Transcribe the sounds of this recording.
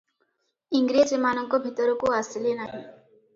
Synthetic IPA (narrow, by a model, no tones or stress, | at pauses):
iŋɡɾid͡ʒemanɔŋkɔbʱit̪ɔɾɔkoasilenaɦĩ